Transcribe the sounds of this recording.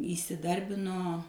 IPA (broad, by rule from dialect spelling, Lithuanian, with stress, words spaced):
iːsʲɪˈdɐrʲbʲɪnoː